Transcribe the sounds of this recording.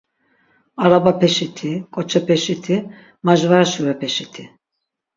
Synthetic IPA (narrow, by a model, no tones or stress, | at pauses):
aɾabapʰɛʃit̪ʰikʼɔt͡ʃʰɛpʰɛʃit̪ʰi | maʒvaɾaʃuɾɛpʰɛʃit̪ʰi